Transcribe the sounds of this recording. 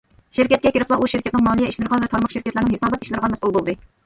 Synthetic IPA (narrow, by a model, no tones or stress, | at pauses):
ʃɪɾkʲɛt̪̚kʲɛkʲʰɪɾɪplˠɑʔuʃɪɾkʲʰɛt̪nɨŋmɑːnijɛiʃlɨɾʁɑnvɛt̪ʰɑɾmɑχʃɪɾkʲɛt̪læɾnɪŋhesɑːbɛt̪i̥ʃlɨɾʁɑnmɛsulˠbolˠd̪ɨ